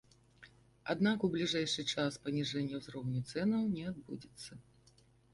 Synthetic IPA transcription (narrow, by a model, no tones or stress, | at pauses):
a̰d̪nakublʲiʐɛjʂɨt͡ʂaspɐnʲiʐɛnʲːɐwzɾɔwnʲut̪sɛnɐwnʲɛad̪̚bud͡zʲɛt̪sːɐ